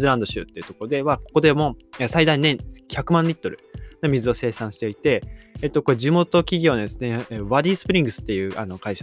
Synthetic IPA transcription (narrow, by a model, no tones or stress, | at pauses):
zɨɾãnd̪o̞ɕɨ̰ːt̪ːe̞iɯ̟t̪oko̞ɾod̪e̞βako̞̥ko̞d̪e̞mo̞esaid̪aĩnẽ̞ŋçʲakɯ̟mãnɾʲit̪ːo̞ɾɯ̟̰nomʲizɨo̞se̞ːsãɰ̃ɕi̥t̪e̞it̪e̞ːt̪ːo̞ko̞ed͡ʑimo̞t̪o̞kʲiɡʲo̞ːnad̪esɨneeβaɾʲiːsɨ̥pɯɾʲĩŋɡɯ̟sɨ̥t̪ːe̞jɯ̟ːʔano̞kaiɕa